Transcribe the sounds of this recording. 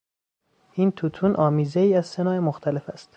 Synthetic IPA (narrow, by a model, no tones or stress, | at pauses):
int̪ʰut̪ʰuːnʔɒːmiːzeiːæzsenɒːemoxt̪ʰæle̞fæst̪